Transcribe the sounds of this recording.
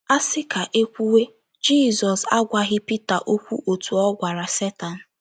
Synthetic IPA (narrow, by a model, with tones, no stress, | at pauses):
a˦sɪ˦ka˨ʔe˦kʷu˦we˦ | d͡ʒi˦˨zɔ˨sa˦ɡʷa˨ɣɪ˦pi˦ta˨ʔo˦kʷṵ˦ʔo˨tu˨ɔ˦ɡʷa˨ɾa˨se˦ta˨n̩˨